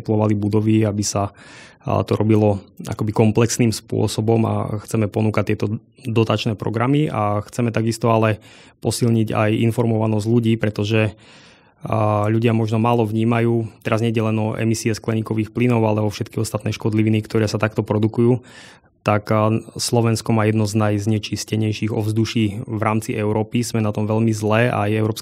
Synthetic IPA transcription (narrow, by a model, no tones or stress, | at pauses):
t̪lɔʋalibud̪ɔʋiabisa | t̪ɔɾɔbilɔa̰kɔbikɔmplɛksniːmspʊɔ̰sɔbɔma̰xt͡sɛmɛpɔnuːkac̚t̪ɪɛt̪ɔ | d̪ɔt̪at͡ʃnɛːpɾɔ̰ɡɾamiʔaxt͡sɛmɛt̪aɡist̪ɔalɛpɔsilɲiɟa̰jinfɔɾmɔʋanɔzɟʎuɟiːpɾɛt̪ɔʒɛ | ʎuɟɪamɔʒnɔmaːlɔʋɲiːmajuːt̪ɛɾazɲɛjɟɛlɛnɔʔɛ̰misiɛsklɛɲiːkɔʋiːxplinɔʊalɛɔfʃɛt̪kiɔst̪at̪nɛːʃkɔd̪liʋinikt̪ɔɾɛːsat̪akt̪ɔpɾɔd̪ukujuː | t̪akslɔʋɛnskɔmaːjɛd̪nɔznajzɲɛt͡ʃiscɛɲɛjʃiɣɔvzd̪uʃiːʋɾaːmt͡siʔɛʊɾɔːpizmɛnat̪ɔmʋɛʎmizlɛːʔa̰jɛʊɾɔːps